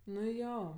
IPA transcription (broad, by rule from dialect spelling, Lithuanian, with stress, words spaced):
nʊ ˈjoː